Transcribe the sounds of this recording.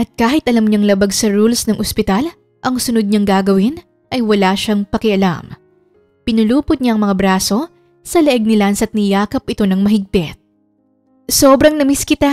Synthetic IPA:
ʔɐt̪̚kaːhɪt̪ʔɐlɐmɲɐŋlɐbaɡsɐɹulsnɐŋʔospɪt̪al | ʔɐŋsʊnod̪̚ɲaŋɡaːɡɐwɪn | ʔɐjwɐlaːʃaŋpɐkɪʔɐla̰m | pɪnʊluːpʊt̪̚ɲaɐŋmɐŋabɾaːso̞ | sɐlɐʔɛɡ̚nɪlansɐt̪̚nɪjaːkɐpʔɪt̪o̞nɐŋmɐɦɪɡ̚pɪt̪̚ | soːbɾɐŋnɐmiskɪt̪a

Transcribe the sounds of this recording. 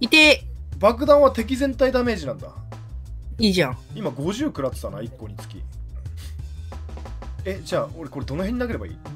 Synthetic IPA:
it̪ebakɯ̟d̪ãɰ̃βat̪e̞k̬ʲizẽ̞nt̪aid̪ame̞ːʑinãnd̪a̰ | iːʑãimaɡo̞ʑɨːkɯ̟ɾasɨ̥d̪ana̰ikːo̞ɲ̟it͡sɨ̥kʲḭ̃ | e̞d͡ʑaːo̞ɾeko̞ɾe̞d̪o̞noɦẽ̞ɲːinake̞ɾe̞baḭː

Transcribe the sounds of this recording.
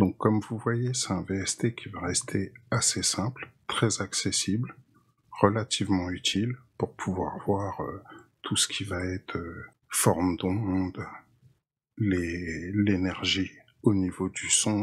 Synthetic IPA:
d̪ɔ̃kʰːɔmvuvwajesɛ̥t̪ɛ̃veɛst̪ekʲivaʁɛst̪ʰeasesɛ̃plt̪χɛzaksesibl | ʁəlat̪ʰivmɑ̃yt̪ʰilpuʁpʰuvwa̰ʁvwaʁøt̪ʰusə̥kʲʰivaɛt̪χø | fɔʁmd̪ɔ̃d̪ | lelenɛʁʒi | onivod̪ysɔ̃

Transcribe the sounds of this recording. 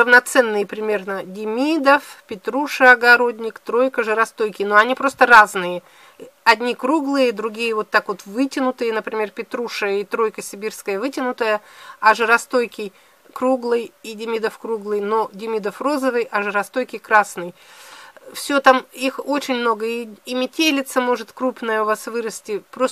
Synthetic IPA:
əvnɐt̪sɛnːɨjəpɾʲɪmʲe̞rnədʲɪmʲid̪əfpʲɪt̪ɾuʂɨɐɡɐɾo̞dʲnʲɪkt̪ɾo̞jkəʐɨɾɐst̪o̞jkʲɪjnoɐnʲipɾo̞st̪əraznɨjə | ɐd̪ʲnʲikɾuɡlˠɨjəd̪ɾʊɡʲijəvo̞t̪ːakvo̞t̪vɨtʲɪnʊt̪ɨjənəpɾʲɪmʲe̞rpʲɪt̪ɾuʂɨit̪ɾo̞jkəsʲɪbʲirskəjəvɨtʲɪnʊt̪əjəɐʐɨɾɐst̪ojkʲɪj | kɾuɡlˠɨjidʲɪmʲid̪əfkɾuɡlˠɨjno̞dʲɪmʲid̪əfro̞zəvɨjʔɐʐɨɾɐst̪o̞jkʲɪjkɾasnɨj | fsʲot̪amixo̞t͡ɕɪnʲmnoɡəiːmʲɪtʲelʲɪt̪səmo̞ʐɨt̪kɾupnəjəʊvasvɨɾəsʲtʲɪpɾo

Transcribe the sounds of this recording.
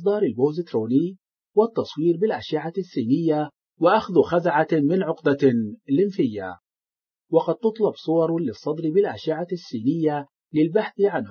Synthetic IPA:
sˤd̪ˤɑːɾˤɪlboːzɪt̪ɾoːni | wɪt̪ːɑsˤwiːɾbɪlʔaʃɪʕasːiːnɪjːa | wɪʔaxðuxazaʕamɪnʕʊqd̪alɪnfɪjːa̰ | wɑqɑd̪̚t̪ʊt̪ˤlɑbsˤʊwɑɾˤlɪsˤːɑd̪ˤɾɪbɪlʔaʃɪʕasːiːnɪjːa | lɪlbaħθʕanh

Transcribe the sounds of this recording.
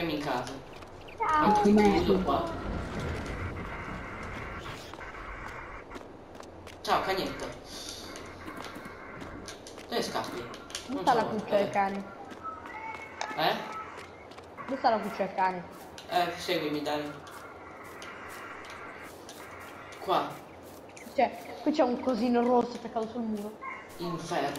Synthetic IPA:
emiŋkaːza | aakumeit̪ukwa | t͡ʃawkaɲɛt̪ːa | d̪̥oɛskapːid̪ũt̪alakut͡ʃːaekaːni | ɛ | nost̪alakut͡ʃːaelkaːne | ɛsɛɡwimid̪a | kwa | it͡ʃɛkwit͡ʃɛuŋkoziːnorosːot͡ʃɛkːat̪osulmuːɾo | iɱfɛ

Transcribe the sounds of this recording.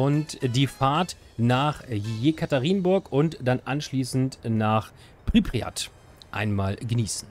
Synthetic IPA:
ʔʊntd̥iːfaɐt | naːχjeːkʰataʁiːnbʊɐkʊntd̥anʔanʃliːsn̩tnaːχ | pʁ̥ipʁ̥ia̰t | ʔa̰ɪnmaːlɡəniːsn̩

